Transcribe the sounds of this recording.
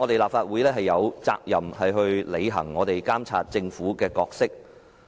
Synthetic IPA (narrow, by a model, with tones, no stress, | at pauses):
ɔ˨˧t̪e˨jlaː˨p̚faː˧t̚wu˨˥jlɛː˥ɦɐ˨jːɐ˨˧wt͡sa̰ː˧k̚jɐ˨˩mhɐ˨jɦɵ˧ɥle˨˧jɦɐ̰˨˩ŋːɔː˨˧t̪e˨jkaː˥mt͡sʰaː˧t̚t͡sɪ˧ŋfuː˨˥kɛː˧kɔː˧k̚sɪ˥k̚